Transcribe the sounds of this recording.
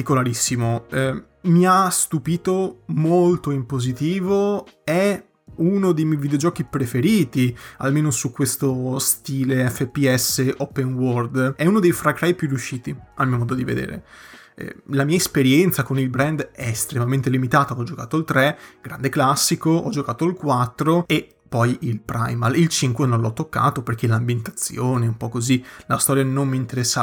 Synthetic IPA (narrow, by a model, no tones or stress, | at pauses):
at̪ikolaɾisːimoɛ | miast̪upiːt̪omolt̪oimpozit̪iːvoɛ | unod̪ejmjɛjvid̪eod͡ʒɔːkipɾefeɾiːt̪ia̰lmeːnosukwest̪ost̪iːleɛfːepiɛsːeʔɔpːenword̪ɛunod̪ejfɾakɾajpjurːjuʃːiːt̪iamiːomɔːd̪od̪ivḛd̪ḛːɾḛ | ɛ̰lamiːaespeɾjɛnt̪sakonilbɾɛnd̪ɛst̪ɾemament̪elimit̪aːt̪aɔd͡ʒoka̰ːt̪oilt̪ɾɛɡ̥ɾand̪eklasːikoʔɔ̰d͡ʒokaːt̪oilkwat̪ːɾoe | pːɔjilpɾa̰jmalilt͡ʃiŋkwenõnlɔt̪ːokːa̰ːt̪operk̟elambjent̪at̪sːjoːneɛumpɔkːozilast̪ɔːɾjanommiːnt̪eɾɛsːa